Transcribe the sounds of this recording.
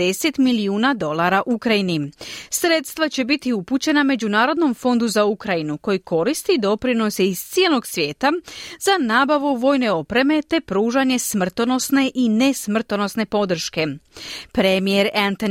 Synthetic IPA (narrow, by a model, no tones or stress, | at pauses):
e̞se̞t̪miliuːnad̪o̞lˠaɾaʔukɾajinisɾe̞t̪st̪ʋat͡ɕe̞bit̪iuput͡ɕe̞name̞d͡ʑunaːɾo̞d̪no̞mfo̞nd̪uzaukɾajinuko̞jiko̞ɾist̪id̪o̞pɾino̞seiz̥t̪sije̞lo̞ɡsʋje̞ːt̪azanaːbaʋuʋo̞jne̞o̞pɾe̞me̞t̪e̞pɾuːʒaɲe̞smr̩t̪ono̞sne̞ʔine̞smr̩t̪ono̞sne̞po̞d̪r̩ʃke̞pɾemije̞ɾant̪on